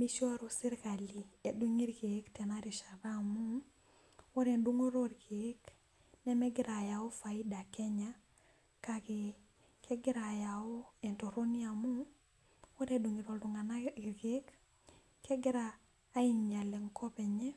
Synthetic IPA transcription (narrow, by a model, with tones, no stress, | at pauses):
mi˦ʃo˦ɾo˨si˦ɾka˨li˨e˨du˦ŋi˦ɾkektɛ˨na˦ɾi˨ʃa˨ɾa˦mu˦ŋ | wo˦ɾe˨ndu˦ŋo˦ɾo˦ɾkek | nɛ˦me˦ɡɪ˦ɾa˨jao˦fa˨i˦da˨ke˦ɲa˦ | kaki | kʰe˦ɡɪ˦ɾa˨jao˦ɛ˨nto˨ɾo˦ni˦amu˦ŋ | wo˦ɾedu˨ŋi˨ɾo˨ldu˨ŋa˨nai˨ɾɡe˦k | ke˦ɡɪ˦ɾaː˦ | i˨nɲa˨le˨ŋkʰɔ˦pɛ˨ɲɛ˦